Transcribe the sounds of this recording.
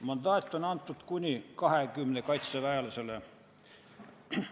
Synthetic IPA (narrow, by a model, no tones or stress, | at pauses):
mɑnd̪ɑːt̪ʲːonɑnt̪ːut̪kunʲikɑhekymnekɑt̪sɑʋæelɑsele